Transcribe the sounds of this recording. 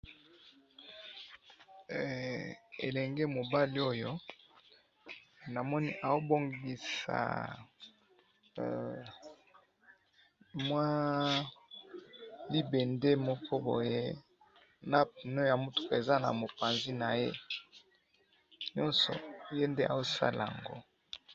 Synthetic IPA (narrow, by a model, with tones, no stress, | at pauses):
ḛ˨lɛ˨ŋɡe˦mo˨ba˦li˦o˦jo˦ | na˨mɔ˦ni˦ʔa˨wo˦bo˦ŋɡi˨sa̰˨ | mwa˦ | li˦be˨nde˦mɔ˦kɔ˦bo̰˨jḛ˦ | na˦pu˨no˦ja˨mo˦tu̥˦ka˨e˨za˦na̰˨mo˨pa˨nzi˦na˨je˦ | ɲɔ˦nsɔ̰˨˦je˦nde˦ʔa̰˨o˦sa̰˦la̰˨ŋɡo̰˦